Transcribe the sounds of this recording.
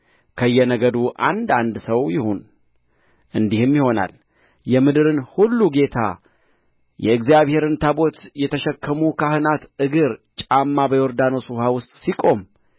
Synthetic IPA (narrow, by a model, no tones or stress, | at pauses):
kʰəjːɛnəɡəd̪uʔa̰nd̪and̪səwjɪhon | ɨnd̪ihɨmjɪho̞na̰l | jɛmɨd̪ɨɾɨnhulːuɡe̞t̪ʰa̰ | jɛɨɡzijaβhe̞ɾɨnt̪ʰabo̞t̪jɛt̪ʰəʃɛkʰːəmukʰahɨnat̪ɨɡɨɾt͡ʃʼamːabəjoɾd̪ano̞suhawʊst̪ʼsikʼo̞m